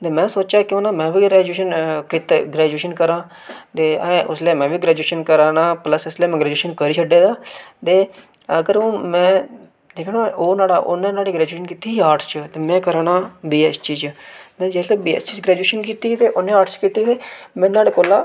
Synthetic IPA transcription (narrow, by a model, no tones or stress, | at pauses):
t̪eːmɛ̃ːsoːt͡ʃaːkɪoːnaːmɛ̃ːʋiːɡɾɛːd͡ʒuːʃənkit̪ɡɾɛːd͡ʒueːʃənkəɾãː | t̪ẽːʊsleːmɛ̃ːʋiːɡɾɛːd͡ʒueːʃənkəɾaːnaːpləsɪsleːmɛ̃ːɡɾɛːd͡ʒuːʃənkəɾiːt͡ʃʰəɖeːd̪aːt̪eːəɡəɾmɛ̃ː | d̪eːkʰɽ̃aːoːnaːɽaːʔo̰nːẽːnaːɽiːɡɾɛːd͡ʒuːʃənkiːt̪iːaːɾʈʰst͡ʃət̪eːmɛ̃ːkəɾaːnaːbiːɛːst͡ʃiːt͡ʃmɛ̃ːd͡ʒeːsleːbiːɛ̰ːst͡ʃiːt͡ʃɡɾɛːd͡ʒeːʃənkiːt̪it̪eːʔʊnːẽːaːɾʈʰst͡ʃkiːt̪iːt̪eːmɛ̃ːnaːɽeːkoːlaː